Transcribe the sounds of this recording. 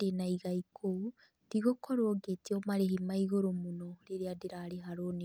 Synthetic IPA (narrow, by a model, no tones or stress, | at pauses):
enaiɣaikʰo | d̥iɣokoɾoːɡetiɔmaɾeɦimaiɣoɾomunoɾeɾeadeɾaɾeɦaɾone